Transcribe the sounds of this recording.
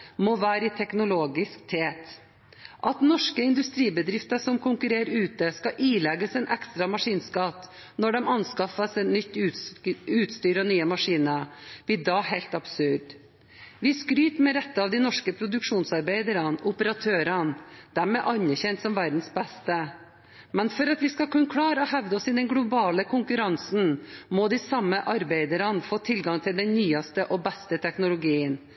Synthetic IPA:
mɔʋæːɾɪt̪ʰɛknʊloːɡɪskt̪ʰeːt̪ | ʔɑt̪nɔʂkəɪnd̪ʉst̪ɾiːbəd̪ɾɪft̪əsɔmkʰʊŋkʉɾeːɾʉːt̪əskɑʔiːlɛɡːəsɛɪnʔɛkst̪ɾɑmɑʂiːnskɑt̪ | nɔɖɛmɑnskɑfəsɛt̪nʏt̪ː | ʉːt̪st̪yːɾɔnyːəmɑʂiːnəb̥ɪd̪ɑːheɪlt̪ɑbsʉɖ | ʋɪskɾyːt̪mɛɾɛt̪ːəɑʋd̪ɪnɔʂkəpʰɾʊd̪ʉkʂuːnsɑɾbeɪd̪əɾɑnʊpəɾɑt̪ʰøːɾɑnd̪̥æɾmɛʔɑnəɾçɛnt̪sɔmʋæɾd̪n̩sbɛst̪ə | mɛnfɔɾɑt̪ʋɪskɑkʉnkʰɽɑːɾəɔɦɛʋd̪əɔsɪd̪ɛnɡɽʊbɑːləkʰʊŋkʉɾɑnsn̩mod̪ɪsɑmːəʔɑɾbeɪd̪əɾɑnfoːt̪ʰɪlɡɑŋt̪ʰɪld̪ɛnnyːɑst̪əʔɔbɛst̪ət̪ʰɛknʊlʊɡiːən

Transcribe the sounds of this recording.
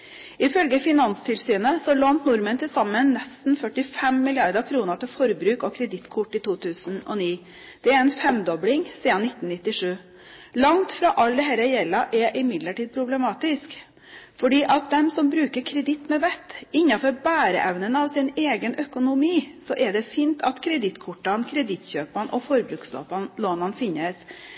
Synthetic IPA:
ɪfœlɡəfɪnɑnst̪ʰɪlsyːnəsɔloːnt̪nʊɾmənt̪ʰɪlsɑmːənːɛst̪n̩fœʈɪfɛmːɪlɪɑɾd̪əɾkʰɾuːnət̪ʰɪlfɔɾbɾʉːkɔkʰɾɛd̪ɪt̪ːkʰʊʈːiːt̪uːt̪ʰʉːsn̩ɔ̰niː | d̪̥ɛæɾɛnfɛmd̪ɔblɪŋsiːd̪ɑnɪt̪ːn̩nɪt̪ːɪʂʉː | lɑŋt̪fɾɑʔɑld̪ɛɦɛɾɛjɛlːɑʔɛʔɪmɪd̪ləʈiːd̪̚pʰɾʊblɛmɑːt̪ɪsk | fɔɖiːʔɑt̪̚d̪ɛmsɔmbɾʉːkəɾkʰɾɛd̪ɪt̪ːmɛʋɛt̪ːɪɲːɑfɔɾbæːɾə̰ʔɛʋnənɑʋsɪneːɡənʔœkʊnʊmiːsɔʔɛɖɛfiːnt̪ʰɑt̪kʰɾɛd̪ɪt̪kʰʊʈːɑnkʰɾɛd̪ɪt̪ɕøːpɑnʔɔfɔɾbɾʉːkslo̰ːpɑnloːnɑnfɪnːəs

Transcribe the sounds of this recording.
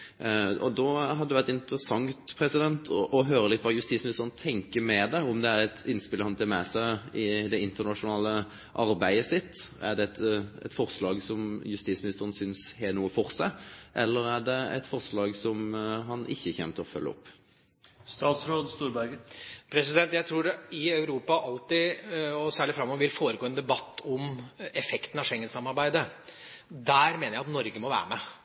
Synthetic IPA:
ɔd̪ɔɦɑd̪əd̪ɛʋæɾt̪ɪnt̪əɾəsɑŋt̪pʰɾɛsɪd̪ɛnt̪ʰɔʔɔɦøːɾəlɪt̪ːʋɑːjʉst̪iːtsmɪnɪst̪əɾən̩t̪ʰɛŋkəmɛd̪ɛɔmd̪ɛæɾɛt̪ʰɪnspɪləhɑnt̪ʰɪlmɛsæɪɪd̪ɛɪnt̪əɾnɑʂʊnɑːlə | ʔɑɾbæɪəsɪt̪ːæ̰ɖɛt̪ɛ̰t̪fɔɾslɑːɡsɔmjʉst̪iːsmɪnɪst̪əɾən̩sʏnshɛnuːəfɔɾsæɪʔɛlːəɾæɖɛɛ̰t̪fɔɾslɑːɡsɔmɦɑnʔɪçːəçɛ̰ːmt̪əɔfœ̰lːəɔ̰pː | st̪ɑːt̪sɾoːd̪st̪uːɾbæɾɡəpʰɾɛs̬ɪd̪ɛnt̪jæɪt̪ʰɾuːɖɪɑʉɾuːpɑʔɑlt̪ɪɔsæːɭɪfɾɑmːɔʋɪlfoːɾəɡoːɛːnd̪ɛbɑt̪ʰːɔmɛfɛkt̪n̩ɑʂɛŋːənsɑmːɑɾbæɪd̪ə | d̪æːɾmeːnəjæɪɑt̪nɔɾɡəmɔʋæ̰ːɾəmɛ

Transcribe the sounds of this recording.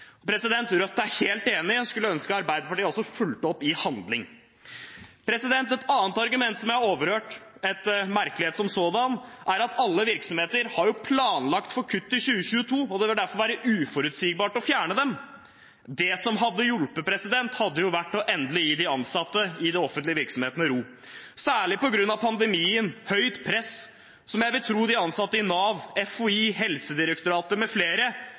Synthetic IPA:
pʰɾɛsɪd̪ɛnt̪ʰːɾɑt̪̚d̪ɛæɾheːlt̪eːnɪskʉlːəœnskəɑɾbæɪd̪əɾpɑʈiːɔsɔfʉlt̪ɔpːɪhɑnd̪lɪŋ | pʰɾɛsɪd̪ɛnt̪ɛt̪ɑːnt̪ɑɾɡʉmɛnt̪sɔmjæhɑoːʋəɾhøːʈ | ɛt̪mæɾkəlɪheːt̪sɔmsoːd̪ɑnʔæɾɑt̪ʰɑlːəʋɪɾksɔmheːt̪əɾhɑɾjʊpʰlɑːnlɑkt̪fɔɾkʰʉt̪ːɪlɕʉːəçʉːət̪ʰuːɔd̪ɛʋɪld̪æɾfɔɾʋæːɾəʔʉːfɔɾʉt̪siːɡ̚bɑːʈɔfjæːɳəd̪ɛm | d̪ɛsɔmɦɑd̪ːəjʊlpəpʰɾɛsɪd̪ɛnt̪hɑd̪ːəjʊʋæʈːɔʔɛnd̪lɪjiːd̪ɪɑnsɑt̪ːəɪd̪ɛɔfənt̪lɪəʋɪɾksɔmheːt̪nəɾuː | sæːɭɪpɔɡɾʉnːɑʋpʰɑnd̪ɛmiːənhœʏt̪pʰɾɛs | sɔmjæɪʋɪlt̪ʰɾuːd̪ɪɑnsɑt̪ːəɪnɑːʋɛfʊiːhɛlsəd̪ɪɾəkt̪ʊɾɑːt̪əmɛfleːɾə

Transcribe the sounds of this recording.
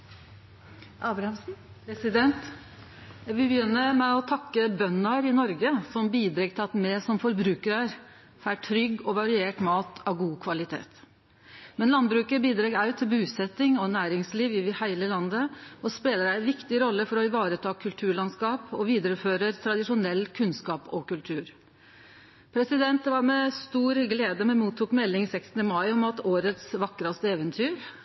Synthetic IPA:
ʔɑːbɾɑm | ɾɛsɪd̪ɛnt̪ | æʋɪlbjʏnːəmɛɔt̪ʰɑkːəbœnːɑɾɪnɔɾɡəsɔmbiːd̪ɾeːɡt̪ɪɑt̪mɛsɔmfɔɾbɾʉːkəɾəɾ | fæːʈʰɾʏɡːɔʋɑɾɪeːʈmɑːt̪ʰɑʋɡuːkʰʋɑlɪt̪ʰḛːt̪ | mɛnlɑn̚bɾʉːkəɾbiːd̪ɾɑːɡæʉt̪ʰɪlbʉːsɛt̪ːɪŋɔnæːɾɪŋsliːʋɪʋɪhæɪləlɑnd̪əɔspeːləɾæɪʋɪkt̪ɪɾɔlːəfɔɾɔɪʋɑːɾət̪ʰɑːkʰʉlt̪ʰʉːɭɑnskɑːpɔʋiːd̪əɾəføːɾəɾt̪ʰɾɑd̪ɪʂʊnɛlːkʰʉnskɑːpɔkʉlt̪ʰʉːɾ | pʰɾɛsɪd̪ɛnt̪ʋɑɾmɛst̪uːɾɡleːd̪əmɛnmuːt̪ʰːuːkmɛlːɪŋsɛksnəmɑɪɔmɑt̪oːɾət̪sʋɑkːɾɑst̪əeːʋənt̪ʰyːɾ

